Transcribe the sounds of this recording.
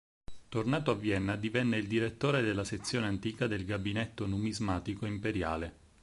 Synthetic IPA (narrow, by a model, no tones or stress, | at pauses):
t̪ornaːt̪oavːjɛnːad̪ivɛnːeild̪iɾet̪ːoːɾed̪elːaset̪sːjoːneant̪iːkad̪elɡabinɛt̪ːonumizmaːt̪ikoimpeɾja̰ːle